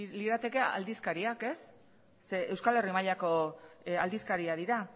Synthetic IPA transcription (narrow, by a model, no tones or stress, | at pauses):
liðat̪e̞ke̞a̰ld̪iskaɾiake̞sː | e̞ewskale̞rimaʎako̞ald̪iskaɾiað̞iɾa